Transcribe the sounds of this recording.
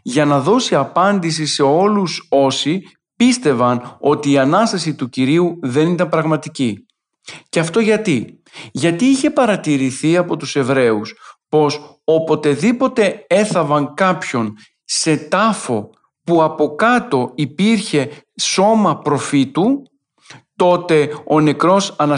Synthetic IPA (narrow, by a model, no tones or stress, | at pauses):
ʝɐnɐðo̞siɐpɐnd̪isise̞o̞luso̞si | pist̪e̞vɐno̞t̪iːɐnɐst̪ɐsit̪uciɾiuðe̞nit̪ɐmpɾɐɣmɐt̪ici | cɐft̪o̞ʝɐt̪i | ʝɐt̪iiçe̞pɐɾɐt̪iɾiθiɐpo̞t̪use̞vɾe̞uspo̞s | o̞po̞t̪e̞ðipo̞t̪e̞e̞θɐvɐŋkɐpço̞n | se̞t̪ɐfo̞ | puɐpo̞kɐt̪o̞ipiɾçe̞so̞mɐpɾo̞fit̪u | t̪o̞t̪e̞o̞ne̞kɾo̞sɐnɐ